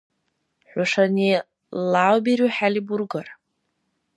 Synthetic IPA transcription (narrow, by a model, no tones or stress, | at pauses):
ħʷaʂani | lawbiɾiħaliburɡar